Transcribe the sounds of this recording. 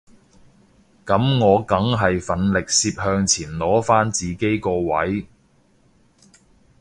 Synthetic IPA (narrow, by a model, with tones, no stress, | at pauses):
kɐ˨˥mŋɔː˨˧kɐ˨˥ŋɦɐ˨jfɐ˨˥nlɪ˨k̚siː˧p̚hœː˧ŋt͡sʰiː˨˩nlɔː˨˥faː˥nt͡siː˨ke˥jkɔː˧wɐ̰˨˥j